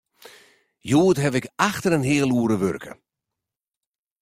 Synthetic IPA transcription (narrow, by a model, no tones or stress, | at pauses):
juːtɦɛvɪkaxtəɾənɦɪəlˠuəɾəʋø̰rkʰə̰